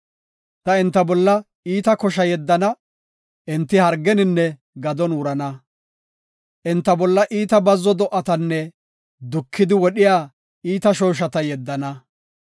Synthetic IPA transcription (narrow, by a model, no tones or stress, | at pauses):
t̪ɐɛnt̪ːɐbɔlːɐ | iːt̪ɐkɔʃɐjɛd̪ːɐnɐ | ʔɛnt̪ːɪhɐɾɡɛnɪnːɛ | ɡɐd̪ɔnʊɾɐnɐ | ʔɛnt̪ːɐbɔlːɐʔiːt̪ɐbɐzːɔd̪ɔʔɐt̪ɐnːɛ | d̪ʊkʰːɪd̪ɪwɔɗɪjaː | iːt̪ɐʃoːʃ̬ɐt̪ɐjɛd̪ːɐnɐ